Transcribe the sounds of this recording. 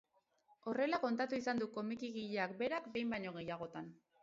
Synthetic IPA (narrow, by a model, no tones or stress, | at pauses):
o̞re̞lako̞nt̪at̪uisand̪uko̞mikiɣiʎe̞ak̚be̞ɾakbe̞jmbajɲoɣe̞jaɣ̞o̞t̪an